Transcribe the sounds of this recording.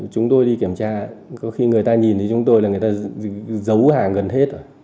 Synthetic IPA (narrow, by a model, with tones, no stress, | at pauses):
t͡ɕʊ˨˦ŋ͡mt̪o˧jɗi˧ki˧˩əmt͡ɕaː˧kɔ˨˦xi˧ŋɨ˨˩əjt̪aː˧ɲi˨˩nt̪ʰə˨˦t͡ɕʊ˨˦ŋ͡mt̪o˧jla˨˩ŋɨ˨˩t̪aː˧zə˨˦whaː˨˩ɣə˨˩nhe˦˥t̚ʔə˧˩